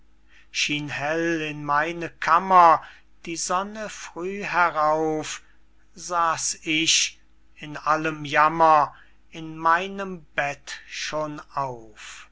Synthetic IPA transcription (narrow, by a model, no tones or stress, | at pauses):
ʃiːnhɛlɪnmaɪnəkʰamɐ | d̥iːzɔnəfʁ̥yːɦɛʁaʊf | zaːsɪʃ | ɪnʔaləmjamɐ | ɪnmaɪnəmbɛtʃoːnaʊf